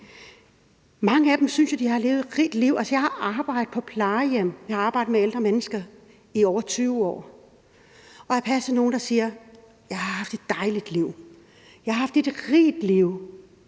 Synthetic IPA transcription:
mɑ̈ŋəæd̥emsynsjod̥ihɑ̈le̝ːʊðˠed̥ʁḭːd̥liʊ̰ælsɒjɑ̈ɪhɑ̈ʔɑ̈ːb̥ɑ̈ɪ̰d̥ð̩ˠpʰɒ̽pʰlɑːjem̰jɑhɑ̈ɑ̈ːb̥ɑ̈ɪd̩meeld̥ʁɐmenəsɡ̥ɐ | iɒʊ̰ɐt͡sʰyːʊɒ̰ː | ʔɒ̽jɑ̈pʰæsɐno̝ːn̩d̥ɑ̈siːɐ | jɑ̈ɪhɑ̈hɑ̈fd̥e̝d̥ːɑ̈ɪlid̥liʊ̰ | jɑɪhɑ̈hɑfd̥e̝d̥ʁḭːd̥liʊ̰

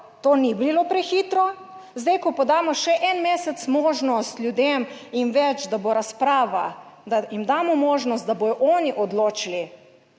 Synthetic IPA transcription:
t̪oːnibilopɾɛxit̪ɾɔ | zd̪ajkɔpɔd̪aːmɔʃɛʔɛnmeːsɛt̪smɔːʒnɔst̪lʲjud̪eːminʋɛt͡ʃd̪aboɾaspɾaːʋad̪ajimd̪aːmɔmɔːʒnɔst̪d̪abojɔʔɔniʔɔd̪loːt͡ʃili

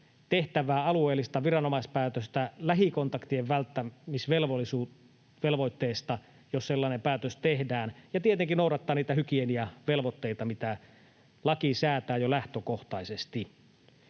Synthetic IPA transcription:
t̪eht̪æʋæːɑlueːlːˑist̪ɑʋirɑnomɑspæːt̪øst̪ælæɦikont̪ɑkt̪ieʋʋælt̪ːæmisʋelʋolːisu | ʋelʋoit̪ːeːst̪ɑ | josselːɑːˑnempæːt̪øst̪ehdæːnjɑt̪iet̪eŋkinoˑuɾɑt̪ːɑːniːt̪æhykieniæʋelʋot̪ːeit̪ɑmit̪æ | lɑkisæːt̪æːjolæht̪økoht̪ɑisest̪i

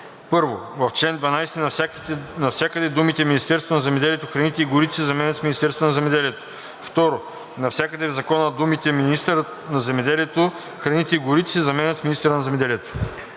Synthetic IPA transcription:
pɤɾvovɐft͡ʃlɛnd̪vɐnajsɛn | nɐfsʲjakəd̪ɛd̪umit̪ɛminist̪ɛɾst̪vonɐzɛmɛd̪ɛlijɛt̪oxɾɐnit̪ɛiɡʊɾit̪ɛsɛzɐmɛnʲət̪fminist̪ɛɾst̪onɐzɛmɛd̪ɛlijɛt̪o̥ | ft̪ɔɾo | nɐfsʲakəd̪ɛvzɐkɔnəd̪umit̪ɛminist̪ɾə | nɐzɛmɛd̪ɛliɛt̪o | xɾɐnit̪ɛiɡʊɾit̪ɛisɛzɐmɛnʲət̪fminist̪ɾənɐzɛmɛd̪ɛliɛt̪o̥

